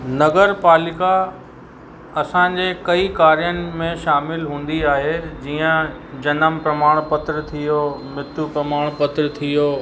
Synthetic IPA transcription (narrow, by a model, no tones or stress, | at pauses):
nɐɡəɾpaːlɪka | ɐsãːd͡ʑeːkɐikaːɾijənɪ̆mẽʃaːmɪlɦũːn̆d̪iaːɦed͡ʑiːə̃ | d͡ʑɐnəmpɾɐmaːɽ̃pɐt̪ɾt̪ʰijoːmɪt̪upɾɐmaːɽ̃pɐt̪ɾt̪ʰijoː